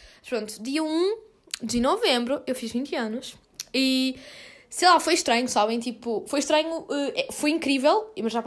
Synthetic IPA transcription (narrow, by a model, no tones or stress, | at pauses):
ɐʃpɾõnt̪ud̪iɐũ | d̪ɨnɔvẽmbɾuewfiʒvĩnt̪ɐnuʃ | i | sejlˠafojʃt̪ɾɐ̃ɲusaβẽj̃t̪ipufojʃt̪ɾɐɲuʔɛɛfojĩŋkɾivɛlˠimɐɾʒap